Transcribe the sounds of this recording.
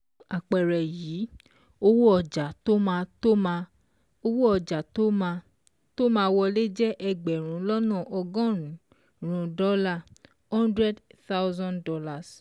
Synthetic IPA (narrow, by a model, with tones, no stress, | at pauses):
a˨k͡pɛ˨ɾɛ˨jiː˨˦ | o˧wo˦ɔ˧˨d͡ʒa˨to˦mãː˧to˦mã˧ | o˧wo˦ɔ˨d͡ʒa˨to˦mã˧ | to˦mãː˧wɔ˧le˦d͡ʒɛ˦ʔɛ˧ɡ͡bɛ˨ɾ̃ũ˨˦lɔ˦nɔ̃˦˨ʔɔ˧ɡɔ̃˦ɾũ˨ | ɾ̃ũ˨dɔ˦la˦˨ | hɔ̃˦ndɾɛ˦dθa˦wzɔ̃˦ndɔ˦la˨s